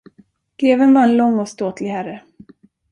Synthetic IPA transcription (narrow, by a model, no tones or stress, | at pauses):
ɡ̥ɾeːvənvaɾɛnlɔŋːɔst̪oːt̪lɪhæɾə